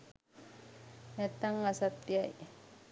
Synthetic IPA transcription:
ɲat̪aŋasat̪iaj

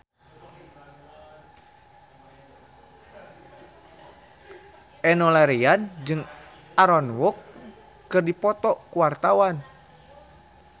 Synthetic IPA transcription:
ʔɛnɔlaɾiand͡ʒɨŋ | ʔaɾɔnwɔkː | ɨrdipɔt̪ɔkuwart̪awan

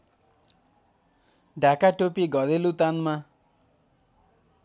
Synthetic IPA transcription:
ɖʱakaʈopiɡʌd̪elut̪anma

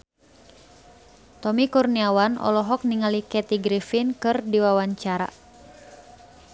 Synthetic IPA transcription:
t̪ɔmikurniawanɔ̰lɔɦɔk̚niŋalikɛt̪iɡɾifinkɨrdiwawaɲt͡ʃaɾa̰

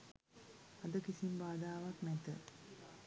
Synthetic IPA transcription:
ad̪əkisimbaːd̪aːʋaknɛt̪ə

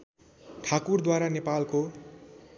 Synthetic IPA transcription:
ʈʰakurd̪waɾanepalko

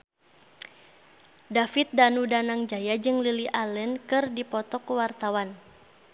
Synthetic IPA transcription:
dafit̪̚danudanaŋd͡ʒajad͡ʒɨŋliliʔalənkɨrdipɔt̪ɔkuwart̪awan

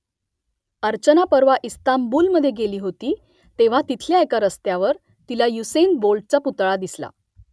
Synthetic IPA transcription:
əɾt͡ɕənapəɾʋaʔist̪ambuːlməd̪ʱːjeɡeliːɦot̪iː | t̪eʋ̤at̪it̪ʰljaekaɾəst̪jaʋəɾ | t̪ilajusenbolɖ̚t͡ɕaput̪ɭad̪isla̰

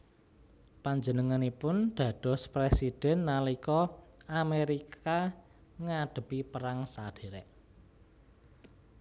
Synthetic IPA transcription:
paɲd͡ʒənəŋanipʊnd̪̥ä̤d̥ɔ̤spɾesid̥ɛ̤nːalikɔameɾika | ŋaɖ̪̥ə̤pipəɾaŋsaɖ̥e̤ɾɛʔ

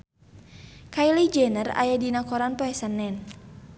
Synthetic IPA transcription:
kailid͡ʒɛnəra̰jadinakɔɾanpɔɛsanːɛn

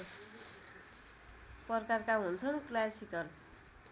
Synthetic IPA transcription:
pʌrkarkaɦunt͡sʰʌnklasikʌr

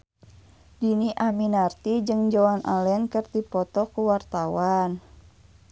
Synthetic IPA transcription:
diniʔaminart̪id͡ʒɨŋd͡ʒɔanʔa̰lɛnkərt̪ipɔt̪ɔkuwart̪awan

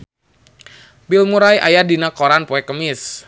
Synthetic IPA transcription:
bilmuɾajʔa̰jadinakoɾanpoɛkəmɪs

